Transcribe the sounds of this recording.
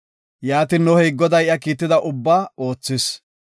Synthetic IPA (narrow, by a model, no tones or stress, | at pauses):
jaːt̪ɪnːɔhɛjɡɔd̪ɐjɪjɐkiːt̪ːɪd̪ɐʔʊbːaːo̞ːt͡sːɪs